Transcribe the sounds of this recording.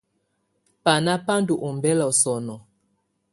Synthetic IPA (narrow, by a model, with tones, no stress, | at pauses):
pa˨na˦pa˦ndu˨ʔu˨mbɛ˦la˨ɔ˨sɔ˨nɔ˨